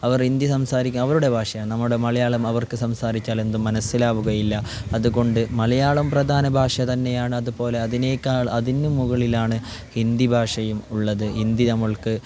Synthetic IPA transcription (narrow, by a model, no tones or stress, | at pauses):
ɐʋɐrind̪jɐsɐmsaːɾikʲːumɐʋɐɾuɽe̞bʱaːʂɐjaːɳnɐmːuɽe̞mɐlɐjaːɭɐmɐʋɐrkɨsɐmsaːɾit͡ɕʲːaːle̞nd̪umːɐnɐsːilaːʋuɣɐjilːɐɐðuɣo̞ɳɖɨmɐlɐjaːɭɐmprɐd̪ʱaːnɐbʱaːʂɐt̪ɐnːe̞jaːɳɨɐðupo̞ːle̞ɐðineːkːaːɭɐðinːumːuɣɐɭilaːɳɨ | hind̪ibʱaːʂɐjumuɭːɐðɨind̪inɐmːɐɭkɨ